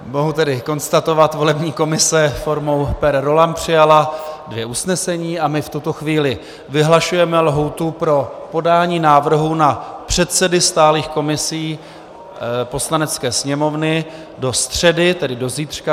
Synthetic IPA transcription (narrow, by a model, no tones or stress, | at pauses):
mo̞ɦut̪ɛdɪko̞nst̪at̪o̞vat̪vo̞lɛbɲiːko̞mɪsɛfo̞ɾmo̞wpɛɾɾo̞lampr̝̥ɪjaladvjɛʔusnɛsɛɲiːʔamɪft̪ut̪o̞xviːlɪ | vɪɦlaʃujɛmɛlɦut̪upɾo̞po̞daːɲiːnaːvr̩ɦunapr̝̥ɛt̪sɛdɪst̪aːliːxko̞mɪsiː | po̞slanɛt͡skɛːsɲɛmo̞vnɪ | do̞st̪r̝̥ɛdɪt̪ɛdɪdo̞ziːt̪r̝̥ka